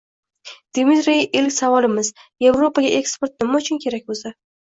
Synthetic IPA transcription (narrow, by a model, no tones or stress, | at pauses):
d̪̥emit̪ɾejelkʲsavɒlˠɪmɪzje̞vɾo̞paɡʲaʔe̞kspe̞ɾt̪̚nɪmaʊt͡ʃʰʊnkʲʰe̞ɾakʲbozd̪a